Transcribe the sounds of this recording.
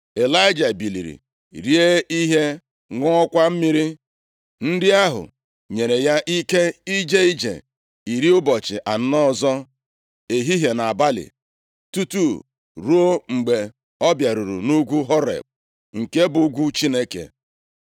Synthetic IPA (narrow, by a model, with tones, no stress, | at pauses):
e˨la˦ɪ˦d͡ʒa˨bi˨lḭ˨ɾḭ˨ | ɾi˦e˦i˦ɦe˦ | ŋʷɔ˦ɔ˦kʷa˦m̩˦mi˦ɾi˦ | n̩˦dɪ˦a˦ɦʊ̰˨ | ɲe˨ɾe˨ja˦ʔi˦ke˦i˦d͡ʒe˦i˦d͡ʒḛ˨ | i˨ɾi˦ʊ˦bɔ˨t͡ʃɪ̰˨ʔa˨n̩˦nɔ˦˨zɔ˦ | e˨ɦi˦ɦe˨na˨ba˦lɪ̰˨ | tu˦tu˦˨ | ɾu˦o˦ŋ͡m̩˨ɡ͡be˨ | ɔ˦bja˨ɾu˨ɾṵ˨nu˦ɡʷu˦ɦɔ˦ɾḛ˨b̚ | ŋ̩˨ke˦bʊ˨˦ɡʷu˦t͡ʃi˦ne˦kḛ˨